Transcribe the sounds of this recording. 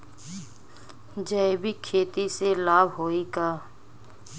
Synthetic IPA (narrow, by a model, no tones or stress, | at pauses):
d͡ʒəebikʰeːt̪iselaːbɦoːikaː